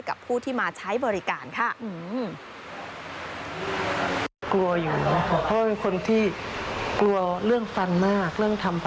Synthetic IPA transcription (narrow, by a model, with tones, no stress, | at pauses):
jka̰˨˩pʰːuː˥˩t̪ʰiː˥˩maː˧t͡ɕʰa˦˥jbɔː˧ɾi˦kaː˨nkʰa˦˥˩ʔɯː˧m | klu˧ɐjuː˨˩nʰ˦˥˧pʰɔ˧˦waː˦˥pe˧nkʰo˧nt̪ʰiː˥˩klu˧ɐɾɯ˥˩əŋfa˧nmaː˥˩k̚lɯ˥˩əŋt̪ʰa˧mp